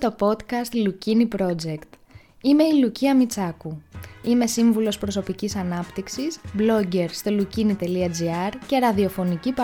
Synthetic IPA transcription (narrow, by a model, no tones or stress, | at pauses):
t̪o̞po̞t̪kɐst̪lucinipɾo̞d͡ze̞kt̪ | ime̞iluciɐmit͡sɐkuime̞siɱvulo̞spɾo̞so̞picisɐnɐpt̪iksisblo̞ɟeɾst̪olucinit̪e̞liɐd͡ziɐɾce̞ɾɐðio̞fo̞nicipɐ